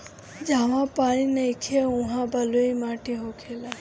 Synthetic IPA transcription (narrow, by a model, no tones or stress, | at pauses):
d͡ʒaʋãpaːɽ̃ineikʰeũɦãbəluimaːʈiɦokʰela